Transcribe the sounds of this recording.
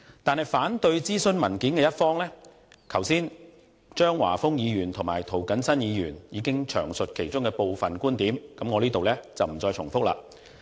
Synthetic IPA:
t̪aː˨nhɐ˨jfaː˨˥nt̪ɵ˧ɥt͡siː˥sɵ˧nmɐ˨˩nkiː˨˥nkɛː˧jɐ˥t̚fɔː˥ŋlɛː˥ | kʰɐ˨˩wsiː˥n | t͡ʃœː˥ŋwa̰ː˨˩fʊ˥ŋjiː˨˧jyː˨˩nt̪ʰʊ˨˩ŋmaː˨˩jt̪ʰo˨˩wkɐ˨˥nsɐ˥njiː˨˧jyː˨˩njiː˨˧kɪ˥ŋt͡ʃʰœ̰ː˨˩ŋsɵ˨t̚kʰe˨˩jt͡ʃʊ˥ŋkɛː˧po˨wfɐ˨nkuː˥nt̪iː˨˥mkɐ˨˥mŋɔː˨˧liː˥t̪o˨wlɛː˥t͡sɐ˨wm̩˨˩t͡sɔː˧jt͡ʃʰʊ˨˩ŋfʊ˥k̚la̰ː˧

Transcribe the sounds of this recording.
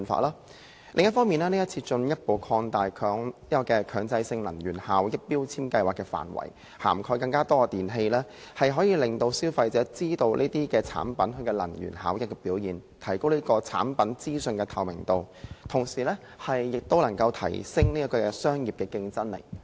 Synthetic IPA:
nfa̰ː˧˥laː˥ | lʔɪ̰˨ŋjɐ˥tfɔː˥miː˨naː˥ni˥jɐ˥t̚t͡sʰiː˧t͡sɵ˧njɐ˥t̚po˨˧wkʰɔː˧ŋt̪aː˨jkʰœː˨˥ŋiː˥kɔ˧kɛː˧kʰœː˨˧ŋt͡sɐ˧jsɪ˧ŋlɐ˨˩nɥyː˨˩nhaː˨˥wjɐ˥t̚piː˥wt͡sʰiː˥mkɐ˧jwaː˨kːɛ˧fa̰ː˨˩nwɐ̰˨˩j | ha̰ː˨˩mkʰɔː˧jkɐ˧ŋkaː˥t̪ɔː˥˧t̪iː˨nɦe˧jlɛː˥hɐ˨jɦɔː˨˥jiː˧lɪ˨ŋt̪o˧wsiː˥wfɐ˧jt͡sɛː˨˥t͡siː˥t̪o˧wlʔe˥t̪iː˥kɛː˧t͡sʰa̰ː˨˥npɐ˨˥nɦɵ˧kɛː˧lɐ˨˩njy̰ː˨˩nhaː˨˥wjɪ˨k̚ːɛ˧piː˨˥wjiː˨nt̪ʰɐ˨˩jko˥wliː˥kɔː˧t͡sʰa̰ː˨˥npɐ˨˥nt͡siː˥sɵ˧nkɛː˧t̪ʰɐ˨wmɪ̰˨˩ŋt̪o˧wt̪ʰʊ˨˩ŋsiː˨˩lɛː˥ | hɐ˨jːɪ˨k̚t̪o˥wlɐ˨˩ŋkɐ˧wt̪ʰɐ̰˨˩jsɪ˥ŋniː˥ɐ˥kɔː˧sœː˥ŋjiː˨p̚kɛː˧kɪ˧ŋt͡sɐ˥nlḛ˨˩j

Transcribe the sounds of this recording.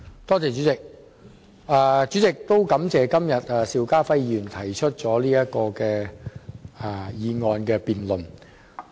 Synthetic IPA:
t̪ɔː˥t͡sɛː˨t͡ʃy˨˥t͡sɪ˨k̚ | ʔaː˨˧t͡ʃyː˨˥t͡sɪ˨˩k̚t̪o˥wkɐ˨˥mt͡sɛː˨kɐ˥mjɐ˨t̚ɛː˨siː˨˧wkaː˥fɐ˥jyː˨˩nt̪ʰɐ˨˩jt͡ʃʰɵ˥t̚t͡sɔː˨˥liː˥jɐ˥t̚kɔː˧kɛː˧ | a˨˧jiː˨˧ŋɔː˨˧nkɛː˧piː˨nlɵ˨˩n

